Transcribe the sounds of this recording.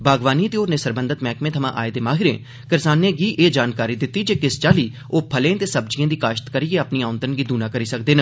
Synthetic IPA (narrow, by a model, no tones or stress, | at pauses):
bʱaːɡʋaːniːt̪eːoːɾneːsəɾbə̃nd̪ət̪mɛːkmẽːt̪ʰəmã̰ːʔa̰ːed̪eːmaːɦɪɾḛ̃ː | kɪɾsaːneːɡiːʔeːd͡ʒaːnkaːɾiːd̪ɪt̪ːiːd͡ʒeːkɪst͡ʃaːliː | oːpʰəlẽːt̪eːsəb̚d͡ʒijãːd̪iːkaːʃə̥t̪kəɾiːeːəpniːãːʊ̃nd̪ənɡiːd̪uːnaːkəɾiːsəkd̪eːnə